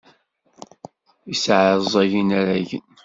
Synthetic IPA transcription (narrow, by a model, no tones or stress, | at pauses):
isʕzˤæʝinæɾæʝə̰n